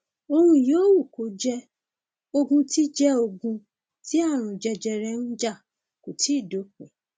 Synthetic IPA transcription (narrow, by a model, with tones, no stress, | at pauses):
o˧ɾũ˧joː˦wu˦˨ko˨˦d͡ʒɛ˧ | o˧ɡũ˧ti˦d͡ʒɛ˦o˧ɡũ˧ | ti˦a˦˨ɾ̃ũ˨d͡ʒɛ˧d͡ʒɛ˧ɾɛ˧ñ̩˦d͡ʒa˦˨ | ko˨ti˨˦i˦˨do˨˦k͡pɛ˨